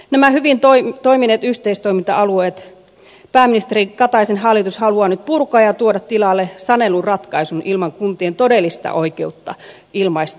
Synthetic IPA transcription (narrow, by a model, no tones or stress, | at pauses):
næmæhyʋint̪oit̪oiminet̪yht̪eist̪oimint̪ɑɑlueːt̪ | pæːminist̪erikɑt̪ɑisenhɑlːˑit̪ushɑluɑnyt̪̚purkoɑːjɑt̪uodɑt̪t̪ilɑlːesɑnelurrɑt̪kɑisunʔilmɑŋkunt̪ient̪odelːist̪ɑ̰ʔoikeut̪ːɑ̰ | ilmɑist̪